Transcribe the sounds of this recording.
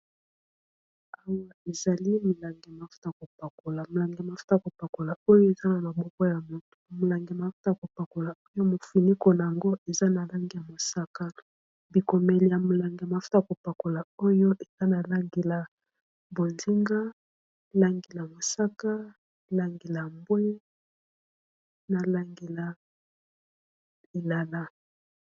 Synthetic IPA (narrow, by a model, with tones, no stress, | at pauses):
a˦wa˨e˨za˨li˦mo˨la˨ŋɡe˨ma˨fu̥˦ta˦ja˨ko˨pa˨ko˨la˨mo˨la˨ŋɡe˨ma˨fu̥˦ta˦˨a˨ko˨pa˨ko˨la˨o˦jo˦e˨za˦na˨ma˨bɔ˦kɔ˦ja˨mo˨to̥˨mo˨la˨ŋɡe˨ma˨fu̥˦ta˦ja˨ko˨pa˨ko˨la˨o˦jo˦mo˨fi˨ni˦ko˨na˨ja˨ŋɡo˦e˨za˦na˨la˦ŋɡe˨ja˨mo˨sa˦ka˦ | bi˨ko˨mɛ˨li˨ja˨mo˨la˨ŋɡe˨ma˨u˦ta˨ko˨pa˨ko˨la˨o˦jo˦ʔe˨za˦na˨la˦ŋɡe˨la˨ | bo˨nzi˦ŋɡa˦ | la˦ŋɡi˨la˨mo˨sa˦ka˦ | la˨ŋɡi˨la˨mbwe˦ | na˨la˦ŋɡe˨la˨ | li˨la˨la˦